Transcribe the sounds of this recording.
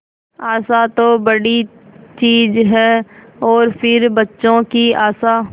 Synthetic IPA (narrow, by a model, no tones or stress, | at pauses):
aːsat̪obɐɽi | t͡ʃiːzɦɛːɔːɾpʰɪɾbɐtːʃõkiaːsa